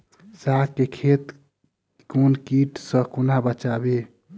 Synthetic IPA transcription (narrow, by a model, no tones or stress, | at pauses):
sakkekʰet̪ | konkiʈsə̃kunabət͡ʃabe